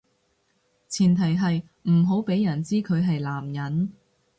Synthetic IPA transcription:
t͡sʰiː˨˩nt̪ʰɐ˨˩jɦɐ˨j | m̩˨˩ɦo˨˥wpe˨˥jjɐ˨˩nt͡siː˥kʰɵ˨˧ɥɦɐ˨jlaː˨˩mjɐ˨˥n

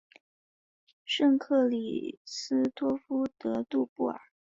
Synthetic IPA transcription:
ʂɤ˥˧ŋkʰɤ˥˩lḭ˨˩sɹ̩˥t̪wɔ˥fu˥t̪ɤ˧˥t̪u˥˧pu˥˩ə̰˞˨˩˦

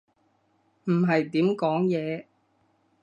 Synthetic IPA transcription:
m̩˨˩ɦɐ˨jt̪iː˨˥mkɔː˨˥ŋjɛː˨˧

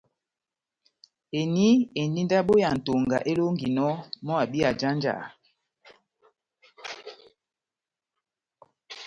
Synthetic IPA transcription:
e˨ni˦e˨ni˦nda˦ɓo˦ja˨n̩˨to˨ŋɡa̰˨ʔe˦lo˦ŋɡi˨nɔ˦mɔ˦a˨bi˦a˨d͡ʒa˦nd͡ʒa̰˨

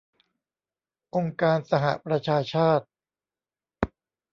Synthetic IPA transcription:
ʔo˧ŋkaː˧nsa˧ɦa̰˧˩pɾa˧t͡ɕʰaː˧t͡ɕʰaː˥˩t̪̚

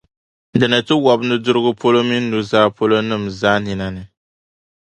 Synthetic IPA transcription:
dɨ˨nɨ˨tɨ˦wɔ˨bnɨ˦dʊ˦ɾɨ˦ɡʊ˦pʰo˦lo˦mi˦nː˦u˦zaː˦po˦lo˦nɨ˦˨mzaː˦nɪ˨na˦nɨ˨

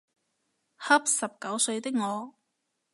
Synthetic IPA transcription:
hɐ˥p̚sɐ˨p̚kɐ˨˥wsɵ˧ɥt̪ɪ˥k̚ŋɔː˨˧

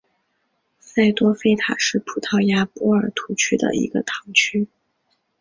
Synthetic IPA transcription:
sa˥˩ɪt̪wɔ˥fe˥˩ɪt̪ʰa̰˨˩ʂɻ̩˥˩pʰu˨˩t̪ʰɑ˥˩ʊja˥pɔ˥ə˞˨˩t̪ʰu˧˥t͡ɕʰy˥d̪ə̰˧ḭ˧˥ɡə̰˧t̪ʰɑ˧˥ŋt͡ɕʰy˥

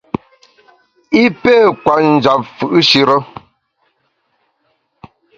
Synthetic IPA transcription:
i˦peː˦˨kwa˨n̩˨d͡ʒa˨p̚fʉ˨ʔɨ˦ʃi˦ɾə˦

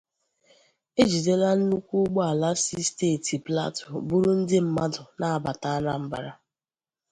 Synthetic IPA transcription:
e˦d͡ʒi˨de˦la˦n̩˦nu˦kʷu˦ɡ͡bɔ˦a˨la˦si˦steː˦˨ti˨pla̰˦tʊ˨bu˦ɾʊ˦n̩˦dɪ˦m̩˦ma˦dʊ˨na˦a˨ba˨ta˨˦a˦na˦m̩˦ba̰˨ɾa˦

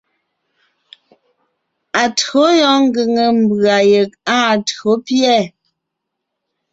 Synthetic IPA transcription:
a˨tɰo˨˦jɔ˦ŋ̩˦ɡə˨ŋə˨m˨bɰa˨je˨k̚a˦˨to˨˦pjɛ˦˨

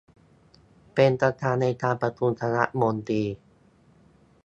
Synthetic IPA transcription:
pe˧npɾa˧t̪ʰaː˧nːa˧jt̪aː˧npɾa˧t̪u˧nt̪ʰa˧na̰˦˥ʔmo˧nt̪iː˧

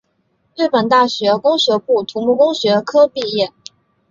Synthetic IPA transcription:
ɻy˥˩pə˨˩nt̪a˥˩ɕɥɛ˧˥kʊ˥ŋɕɥɛ˧˥pu˥˩t̪ʰu˧˥mu˥˧kʊ˥ŋɕɥɛ˧˥kʰɤ˥pi˥˧jɛ˥˩

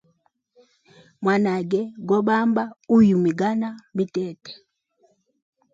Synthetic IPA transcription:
mwa˨na˨ɡɛ˨ɡɔ˦ɓa˦mba˦u˦ju˨mi˨ɡa˦na˦mi˦tɛ˦tɛ̥˨

